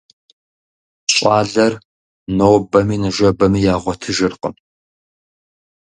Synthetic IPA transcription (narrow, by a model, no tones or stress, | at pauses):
ɕʼaːɮɐr | noːbɐmiːnɨʒʷɐbɐmijaːʁʷɔtʰɨʒɨrqə̰m